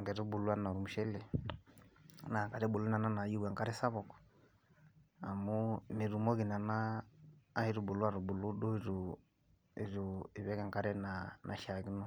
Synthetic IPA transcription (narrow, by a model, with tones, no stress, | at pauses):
ɡɛ˨ɾu˦bu˨lu˦a˦na˨ɾu˨mu˨ʃɛ˦lɛ˨ | na˨ka˨ɾɛ˦bu˨lu˦na˨na˦na˨ju˦wa˨ŋka˦ɾɛ˦sa˦βɔ˨kɔ̥˨ | a˨mu˦mi˨ɾu˨mɔ˦ɣi˨na˨naː˦ | hi˦ɾu˦bu˨lwa˦ɾu˨bu˨lu˦du˦i˨ɾu˨ | i˨ɾu˨i˨βɛ˦ka˨ŋka˦ɾɛ˦na˨nʔa̰˨ʃa˨ki˦nɔ˦